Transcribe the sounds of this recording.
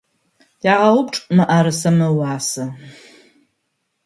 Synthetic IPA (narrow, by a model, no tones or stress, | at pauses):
jaʁawup̚ʈ͡ʂʼmaʔaɾɨsamɨwaːsɨ